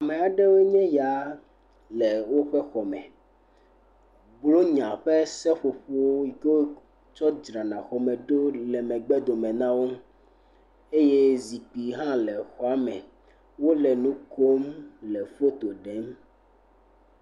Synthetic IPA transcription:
a˨mɛ̃˨a˨ɖɛ˦wo˦ɲɛ̃˦ja˨˦ | lɛ˨wo˦ɸɛ˦xɔ˨mɛ̰̃˨ | blo˦ɲã˨ɸɛ˦sɛ˦ɸo˨ɸo˦wo˦i˨ke˦wo˦ | t͡ʃɔ˦d͡ʒɾã˨nã˨xɔ˨mɛ̃˨ɖo˦lɛ˨mɛ̃˨ɡ͡bɛ˦d̪o˨mɛ̃˨nã˦wo˦ | e˦je˦zi˨k͡pi˨ɦã˦lɛ˨xɔ˨a˦mɛ̰̃˨ | wo˦lɛ˨nũ˦ko˦mlɛ˨ɸo˦t̪o˨ɖɛ˨˦m

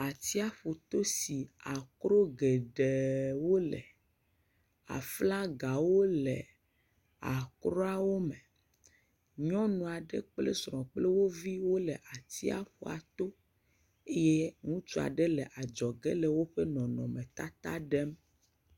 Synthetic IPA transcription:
a˨t̪i˦a˦ɸu˨t̪o˦si˨a˨kɾo˦ɡe˨ɖe˨wo˦lɛ̰˨ | a̰˨fla˦ɡa˨wo˦lɛ˨ | a˨kɾɔ˦a˦˨wo˦me˨ | ɲɔ̃˦nũ˨a˨ɖe˦k͡ple˦sɾɔ̃˨k͡ple˦wo˦vi˦wo˦lɛ˨ʔa˨t̪i˦a̰˦ɸo̰˨a̰˨t̪o˦ | e˦je˦ŋũ˦t͡ʃu˦a̰˨ɖe˦lɛ˨ʔa˨d͡ʒɔ˨ɡɛ˦le˨wo˦ɸe˦nɔ̃˨nɔ̰̃˨mɛ̃˨t̪a˦t̪a̰˦ɖe˦m

